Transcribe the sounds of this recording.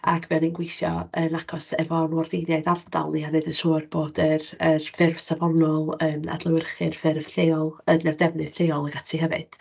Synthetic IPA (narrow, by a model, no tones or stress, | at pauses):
a̰kʰvɛɔninɡwɪjθjɔ̰ənakʰɔsɛvɔnwɔrdɪnjajdarda̰lˠnianɨdənsoːrboːdərərfɪrv̥savɔnɔlˠəna̰dlˠəwɪrχɨrfɪrv̥ɬeːɔlˠənɛrdɛvnɨd̥ɬeːɔlˠəɡatʰihɛvɨ̰d̥